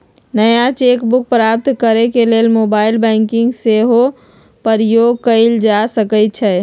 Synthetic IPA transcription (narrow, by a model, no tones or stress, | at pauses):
nəjat͡ʃekbuk̚pɾap̚t̪kəɾekelelmobailbəŋkiŋɡseɦo | pəɾijoɡ̚kəɪld͡ʒasəkət͡ʃʰɛ